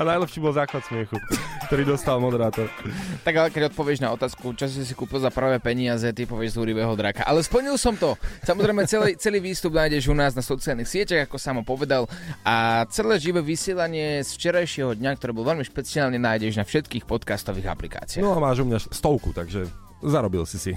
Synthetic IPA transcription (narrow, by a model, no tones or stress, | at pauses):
anajlɛpʃiːbɔlzaːxʋat̪smɪɛxukt̪ɔɾiːd̪ɔst̪almɔd̪ɛɾaːt̪ɔɾt̪aɡalɛkɛɟɔt̪̚pɔʋɪɛʒnaɔt̪aːskut͡ʃas̬sis̬i̥kuːpilzaprʋɛːpɛɲɪazɛt̪ipɔʋɪɛʒzuɾiʋɛːɦɔd̪ɾaka̰ʔalɛspl̩ɲilˠsɔmt̪ɔsamɔzɾɛjmɛt͡sɛlɛt͡sɛliːʋiːst̪ubnaːjɟɛʒunaːznasɔt͡siɪalˠnixsɪɛcaɣakɔsaːmɔpɔʋɛd̪alʔat͡sɛlɛːʒiʋɛʋisɪɛlaɲɪɛsft͡ʃɛɾajʃɪɛɦɔd̪ɲakt̪ɔɾiːbɔlʋɛʎmiʃpɛt͡siaːlɲɛnaːjɟɛʒnafʃɛt̪kiːxpɔt̪kast̪ɔviːɣa̰plika̰ːt͡sia̰nɔamaːʒumɲast̪ɔʊkut̪aɡʒɛ | zaɾɔbilsisi